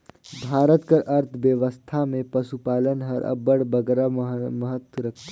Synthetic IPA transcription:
bʱaːɾət̪kəɾʔɐɾt̪ʰʋjəʋəst̪ʰamẽpɐʃupaːlənɦəɾʔə̰bəɽbəɡɾaməɦət̪wɾəkʰt̪ː

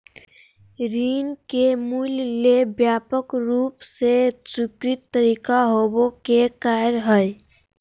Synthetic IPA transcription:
ɾinkemullebjapəkɾupsesukɾit̪ːəɾikaɦobokekaɾɦəj

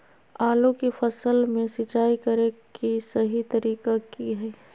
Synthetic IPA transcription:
aːlõkifɐsəlmẽsɪt͡ʃaːikɐɾẽkisɐɦit̪ɐɾiːkakiɦɛː

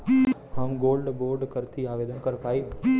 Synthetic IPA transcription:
həmɡolɖboɾɖkəɾt̪ʰiaʋed̪ənkəɾpʰaːi

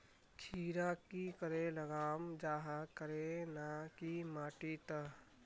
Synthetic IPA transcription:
kʰiːɾakikəɾeləɡaːmd͡ʒaːɦəkəɾenakimaːʈit̪ə

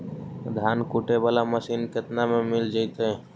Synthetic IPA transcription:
d̪ʱaːnkuːʈebaːlaməsiːnkɪt̪namẽmɪld͡ʒaɪt̪eɦɛ

